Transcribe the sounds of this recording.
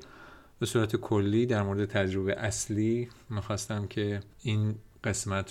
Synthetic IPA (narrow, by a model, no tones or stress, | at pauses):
b̥e̞suːɾæt̪ʰekʰolːiːd̪æɾmoɾed̪et̪ʰæd͡ʒɾobeʔæsliːmiːxɒːst̪æmcʰe̞ | inɢ̥e̞smæt̪ʰ